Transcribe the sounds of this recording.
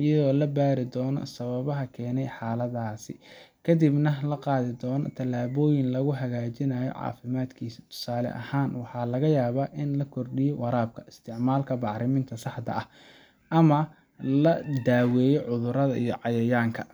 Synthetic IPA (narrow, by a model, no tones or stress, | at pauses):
jɐðɔːlɐbaːɾɪd̪ɔːnɔ̰sɐβɐβɐɦɐkʰɛːnɛjħɑːlɐðaːsɪ̰kʰɐd̪ibnɐlɐqɑːðɪd̪ɔːnɔt̪ʰɐlaːβɔːjɪnlɐɣʊɦɐɣaːt͡ʃɪnɐjɔ̰ʕɑ̰ːfɪmaːd̪kʰiːsɪ̥t̪ʰʊ̥saːlɛ̰ʔɐ̰haːnwɑħɑːlɐɣɐjaːβaːʔɪnlɐkʰɔrɗɪjɔwɑɾaːb̚kʰɐʔɪst̪ʰɪʕmaːlkʰɐbɑʕɾɪmɪnt̪ʰɐsɑħd̪ɐ̰ʔɐh | ʔɐmɐ | lɐd̪aːwɛːjɔʕʊðʊɾɐðɐijɔʕɑjɐjaːŋkʰɐ